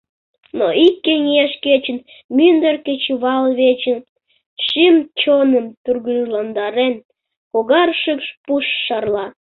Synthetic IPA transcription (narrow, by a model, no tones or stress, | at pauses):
noikːenʲieʃket͡ɕən | mynd̪ərket͡ɕβɑlβet͡ɕən | ʃimt͡ɕonəmt̪urɣɨʒlɑnd̪ɑɾen | koɣɑrʃəkʃpuʃːɑrlɑ